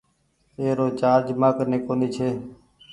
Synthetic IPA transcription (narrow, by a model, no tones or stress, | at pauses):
eːɾoːt͡ʃaːɾd͡ʒəmaːkəneːkoːniːt͡ʃʰeː